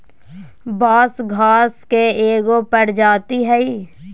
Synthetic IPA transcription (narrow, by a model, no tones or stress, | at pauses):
baːsɡʱaːskeeːɡopəɽd͡ʒaːt̪iɦɛi